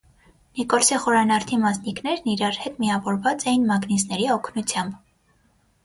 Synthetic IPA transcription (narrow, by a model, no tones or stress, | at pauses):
nikɔlsiχɔɾɑnɑɾt̪ʰimɑsniknɛɾniɾɑɾhɛt̪miɑvɔɾvɑt͡sɛjinmɑɡnisnɛɾiɔkʰnut͡sʰjɑmb